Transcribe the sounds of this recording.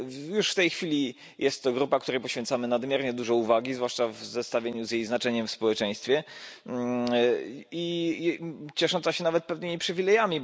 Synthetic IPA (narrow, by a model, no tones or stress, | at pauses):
juʂft̪ɛjxfʲilʲi | jɛst̪ːɔɡɾupak̚t̪uɾɛjpɔɕfʲjɛnt̪samɘnad̪mʲjɛɾɲɛd̪uʐɔuvaɡʲizvwaʂt͡ʂavzɛst̪avʲjeɲuzʲjejznat͡ʂɛɲɛmfspɔwɛt͡ʂɛj̃st̪fʲjɛ | i | t͡ɕɛʂɔnt̪saɕɛnavɛt̪̚pɛvnɘmʲipʂɘvʲilɛjamʲi